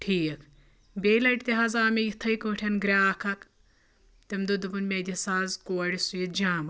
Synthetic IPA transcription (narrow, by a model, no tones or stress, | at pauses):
ʈʰiːk | beːlɐʈt̪ʲiɦaːzaːmʲejit̪ʰɐjkɐ̃ːʈʰɐnɡɾʲaːkʰɐk | t̪ʲɐmd̪ud̪ubɐnmʲed̪ʲɐsaːzkoːɐɽʲisujit̪̚d͡ʒaːmɐ